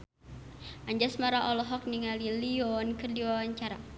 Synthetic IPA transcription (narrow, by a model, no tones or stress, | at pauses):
ʔaɲd͡ʒasmaɾaʔɔlɔɦɔk̚niŋaliliɔnkərdiwawaɲt͡ʃaɾa̰